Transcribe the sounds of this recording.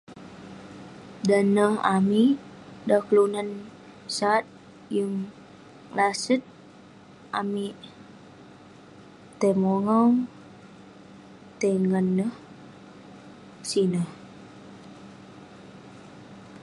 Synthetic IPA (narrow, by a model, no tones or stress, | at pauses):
danəha̰mi | daklunan | sat̪̚ | jəŋ | lasət̪̚ | ʔami | t̪emɔŋɔŋ | t̪eŋənːəh | sinəh